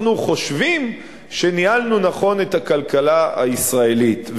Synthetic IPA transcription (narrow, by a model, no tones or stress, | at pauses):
nuχo̞ʃvim | ʃenialnunaχo̞ne̞thakalkalaa̰isʁae̞litv